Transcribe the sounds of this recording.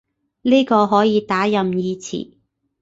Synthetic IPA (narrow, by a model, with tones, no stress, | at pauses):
niː˥kɔː˧ɦɔː˨˥jiː˨˧t̪aː˨˥jɐ˨mjiː˧t͡sʰḭ˨˩